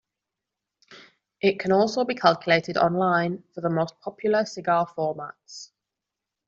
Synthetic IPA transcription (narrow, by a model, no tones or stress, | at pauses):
ʔɪʔkʰə̃ñɔˑlˠsoʊbikʰalˠkjəleɪtɪdɒ̰̃nlãɪ̃nfəðəmoʊspʰɒpʰjl̩ˠəsɪɡɑːfɔːma̰ts